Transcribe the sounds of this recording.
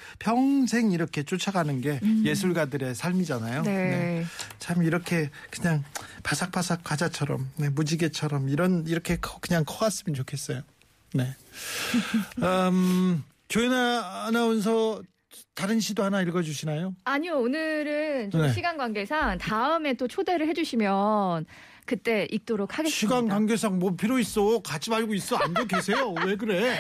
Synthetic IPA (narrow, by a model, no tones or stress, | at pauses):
pʰjʌŋsʰe̞ŋiɾʌkʰe̞t͡ɕ͈ot͡ɕʰaɡanɯnɡe̞je̞s̬ʰuɭɡadɯɾe̞sʰaɭmid͡ʑanajonet͡ɕʰamiɾʌkʰe̞kɯɲaŋpasʰak̚p͈asʰak̚k͈ad͡ʑat͡ɕʰʌɾʌmne̞mud͡ʑiɡet͡ɕʰʌɾʌmiɾʌniɾʌkʰe̞kʰkɯɲaŋkʰʌɡas͈ɯmʌnt͡ɕokʰe̞s͈ʌjo | ne̞ | ʌm | t͡ɕoenanaɯns̬ʰʌ | taɾɯnɕʰidoɦanaiɭɡʌd͡ʑuɕʰinajoaɲioːnɯɾɯnt͡ɕoeɕʰiɡanɡwaŋɡe̞sʰaŋtaɯme̞t͈ot͡ɕʰode̞ɾɯɭhed͡ʑuɕʰimjʌn | kɯt͈e̞ʔik̚t͈oɾok̚ʰhaɡesɕʰiɡanɡwaŋɡjesʰaŋmopʰiɾois͈ʌokat͡ɕʰimaɭɡois͈ʌanɡokʰesʰe̞jowe̞ɡɯɾe̞